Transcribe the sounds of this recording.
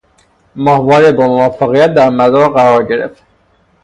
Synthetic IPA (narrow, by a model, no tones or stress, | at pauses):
mɒhvɒːɾebɒmovɒfːeɣijæt̪̚d̪æɾmæzɒːɾɢæɾɒːɾɟe̞ɾḛft̪